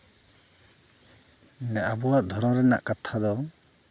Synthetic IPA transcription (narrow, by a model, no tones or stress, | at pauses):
naʔabɔwaʔd̪ʱɔɾɔ̃ɾɛna̰ʔkat̪ʰad̪ɔ